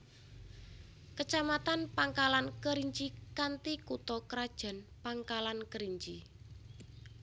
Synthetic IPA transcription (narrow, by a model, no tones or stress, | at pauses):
kət͡ʃamat̪anpaŋkalankəɾiɲt͡ʃikant̪ikut̪ɔkɾad̥ʒ̥a̤npaŋkalankəɾiɲt͡ʃi